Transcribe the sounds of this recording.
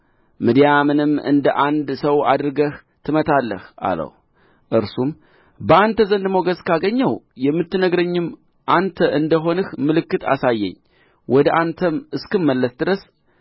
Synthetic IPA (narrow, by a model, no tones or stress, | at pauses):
mɨd̪ijamɨnɨmːɨ̰nd̪əʔand̪səwad̪ɾɨɡəh | t̪ʰɨmət̪ʰalːəhʔa̰lə̰w | ʔɨɾsum | bəant̪ʰəzənd̪mo̞ɡəzkʰaɡəɲːəwjɛmːɨt̪ːɨnəɡɾəɲːɪm | ʔant̪ʰəʔɨnd̪əɦo̞nɨhmɨlɨkːɨt̪ʰa̰sajːɛ̰ɲː | wɔd̪əʔant̪ʰəmɨskɨmːəlːəsd̪ɨɾəs